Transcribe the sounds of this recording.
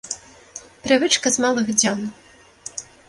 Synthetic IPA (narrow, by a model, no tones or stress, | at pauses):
pɾɨvɨt͡ʂkɐzmalˠɨɣd͡zʲan